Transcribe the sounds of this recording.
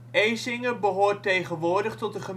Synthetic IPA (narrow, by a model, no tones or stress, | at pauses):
ejzɪŋəbəɦoːɹtejχənʋʊːɹdəχtɔt̚dəχəm